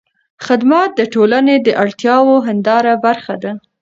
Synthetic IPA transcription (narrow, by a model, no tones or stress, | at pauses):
xɪd̪mat̪̚d̪əʈolaned̪əʔaɽt̪jɑwoɦand̪ɑɾabaɾxad̪a